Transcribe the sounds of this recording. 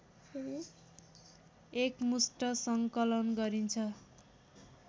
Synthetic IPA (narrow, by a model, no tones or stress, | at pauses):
ekmusʈʌsʌŋkʌlʌnɡʌɾint͡sʰʌ